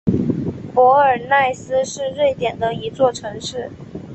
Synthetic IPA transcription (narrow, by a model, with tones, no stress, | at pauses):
pwɔ˧˥ə˞˨˩na˥˩ɪsɹ̩˥ʂɻ̩˥˧ɻwe˥˩ɪt̪jɛ˨˩nd̪ə˦i˧˥t͡swɔ˥˩ʈ͡ʂʰɤ˧˥ŋʂɻ̩˥˩